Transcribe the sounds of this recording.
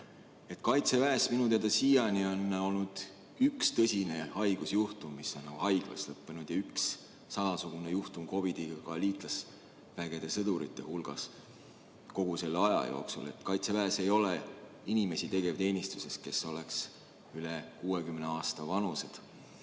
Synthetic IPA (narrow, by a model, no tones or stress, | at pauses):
e̞t̪kɑjt̪se̞væesminut̪ed̪̥ɑsijɑnionːo̞lnud̪̥ | ykst̪ɤsʲine̞hɑjɡ̥usjuht̪umːiso̞nːɑɡ̥uhɑjɡ̥lɑ̰slɤpːenud̪̥jɑyks | sɑmɑsuɡ̥unejuht̪umko̞vid̪̥iɡɑkɑliːt̪ˑlɑs | væɡ̥e̞d̪̥e̞sɤd̪uɾḭt̪ːˑe̞hulɡ̥ɑ̰s | ko̞ɡ̥use̞lːɑjɑ̰jo̞̰ːksṵle̞̰t̪ˑkɑjt̪se̞væese̞jo̞le | inʲime̞sit̪e̞ɡe̞vt̪e̞ːnʲist̪u̥se̞s̚ke̞so̞le̞ks | yle̞kuːekymne̞ɑːst̪ɑvɑnuse̞d̪̥